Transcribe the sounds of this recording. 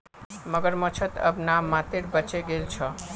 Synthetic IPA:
məɡəɾmət͡ʃʰət̪ə̰bnamːãt̪eɾbət͡ʃeɡelt͡ʃʰɔ

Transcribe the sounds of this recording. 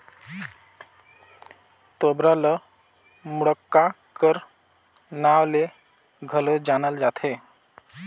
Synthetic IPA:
t̪obɾalə | muɽəkːa | kəɾ | nawle | ɡʱəlod͡ʒanəld͡ʒat̪ʰe

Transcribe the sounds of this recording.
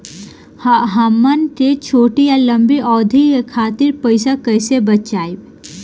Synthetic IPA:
hɦɐmːənʈet͡ʃʰoːʈijalɐmbiʔɔːd̪ʱikekʰaːt̪ɪɾpəɪsakəjsebɐt̪t͡ʃaːi

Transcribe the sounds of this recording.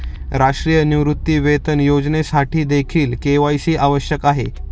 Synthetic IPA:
ɾaʂʈɾijəniʋɾut̪ːiːʋet̪ənjod͡znesaʈʰiːd̪ekʰiːlkeʋajsiːʔaʋəɕjəkaɦe

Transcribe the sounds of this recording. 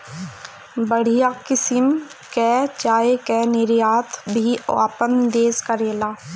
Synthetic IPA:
bəɽ̤ijaːkɪsɪm | kɛːt͡ʃaːekɛnɪɾjaːt̪ʰbʱia̰ːpənd̪eːskəɾeːlaː

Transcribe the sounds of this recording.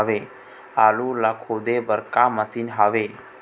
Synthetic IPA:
ʋe | aːlulakʰoːd̪ebəɾkaməsinɦaʋe

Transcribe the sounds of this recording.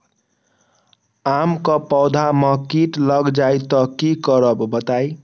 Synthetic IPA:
amkʌpʌwd̪ʱamʌkiʈlʌɡd͡ʒajt̪ʌkikʌɾʌbbʌt̪aj

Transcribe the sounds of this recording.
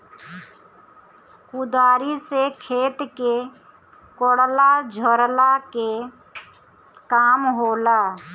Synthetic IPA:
kʊd̪aːɾisekʰeːt̪ke | koɽlad͡ʒʱəɾlake | kaːmɦoːlaː

